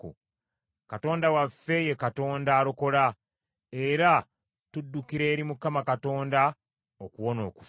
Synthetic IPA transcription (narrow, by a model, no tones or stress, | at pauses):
ṵ | kato̞ːndawafːe̞jekato̞ːndaːɾo̞ko̞la | e̞ɾa | tudːukiɾe̞ːɾimukamakato̞ːnda | okuwo̞no̞̰ːkuf